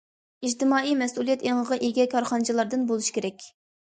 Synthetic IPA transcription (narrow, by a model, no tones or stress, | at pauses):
id͡ʒt̪ɪmɑːimɛsulˠijɛt̪eŋʁəʁɑʔeɡʲɛkʰɑɾχɑnɨt͡ʃʰilˠɑɾd̪ɨnbolˠuʃi̥kʲʰeɾɛkʲ